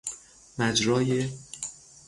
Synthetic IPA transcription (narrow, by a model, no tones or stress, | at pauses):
mæd͡ʒɾɒːje